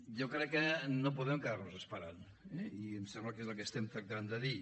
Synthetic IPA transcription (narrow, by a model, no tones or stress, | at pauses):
jokɾɛkːənop̬uðɛmkəðarnozəspəɾan | ɛiensɛmblakezəlˠkəest̪ɛmt̪ɾɐk̚t̪and̪əði